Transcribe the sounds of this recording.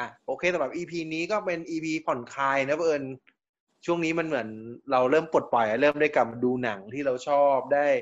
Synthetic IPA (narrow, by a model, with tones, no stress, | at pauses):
ʔa˨˩ʔoː˧kʰeː˧t̪ɛː˧˩bɛː˨˩p̚ʔiː˧pʰiː˧niː˦˥kɔː˥˩pe˧nʔiː˧pʰiː˧pʰɔ˨˩nkʰaː˧jna˦˥pʔɤː˧n | t͡ɕʰu˥˩əŋniː˦˥ma˧nmɯ˩˦ənɾa˧wɾɤː˥˩mpo˨˩t̪̚pɔ˨˩jʔa˨˩ɾɤː˥˩mda˥˩jkla˨˩ma˧duː˧na˩˦ŋt̪ʰiː˥˩ɾa˧wt͡ɕʰɔː˥˩p̚daː˥˩j